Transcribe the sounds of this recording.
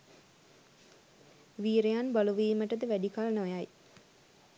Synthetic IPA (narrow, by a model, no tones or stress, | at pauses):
ʋiːɾejanbaluʋiːməʈəd̪əʋæɖikalnojaj